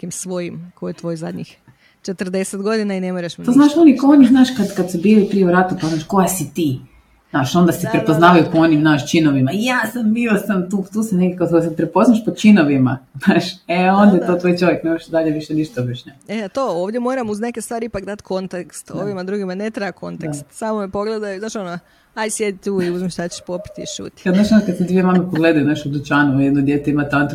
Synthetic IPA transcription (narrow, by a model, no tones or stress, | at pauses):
nekimsʋojimkojet̪ʋoːjzad̪ʲɲḭx | t͡ʃet̪ərd̪eset̪ɡo̞d̪inainemoɾeʃmt̪oːznaːʃonikoɲiznaːʃkad̪kad̪subiːlipɾijeuɾat̪upaznaʃkojasit̪iː | naːʃo̞nd̪asipɾepoznaːʋajukonimnaːʃt͡ʃinoʋimaijaːsambiosamt̪uːt̪uːsaneɡʲekaozosapɾepo̞znaʃpot͡ʃinoʋima̰znaːʃeond̪aet̪oːt̪ʋoːjt͡ʃo̞ʋjeknemaʃid̪aʎeʋiʃɛniʃt̪obiʃɲɛeat̪oːoːʋd̪jemoːɾamuznekest̪ʋaːɾiipakd̪at̪ʲkʰo̞nt̪akst̪o̰ʋimad̪ɾuɡimanet̪ɾajako̞̰nt̪at̪samomepo̞ɡled̪ajuznaːʃono | ajsjed̪it̪uːiuzmiʃt̪at͡ɕe̥ʃpopi̥t̪iiʃṵːt̪ʲkad̪naːʃonakad̪sed̪vʋijemamepoɡled̪ajunaʃtud̪ut͡ʃaːnujed̪nod̪jeːt̪uimat̪ant̪